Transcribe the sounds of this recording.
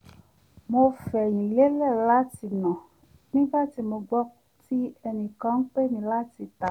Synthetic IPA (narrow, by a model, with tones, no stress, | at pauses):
mo˧fɛ˨ɲĩ˨le˦lɛ˦˨la˦ti˧nɔ̃˨ | nĩ˦va˦ti˧mo˧ɡ͡bɔ˦ti˦ɛ˧nĩ˨kã˨˦ŋ̩˦k͡pe˦mĩ˧la˦ti˧t̪a˨